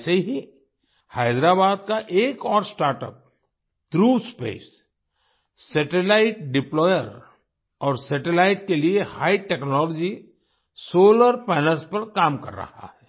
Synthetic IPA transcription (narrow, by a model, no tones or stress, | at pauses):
seɦi | haːɪd̪ɾabaːd̪kaʔeːkɔːɾsʈaːɾʈə̰p̚ | t̪ɾuːspḛːs | sɛʈelaːɪʈ̚ɖɪplɔːjəɾ | ɔːɾsɛʈelaːɪʈkeliehaːiʈɛknɔːlɔd͡ʒi | soːləɾpɛːnəlspɐɾkaːmkɐ̰ɾːɐ̰ha̰hɛː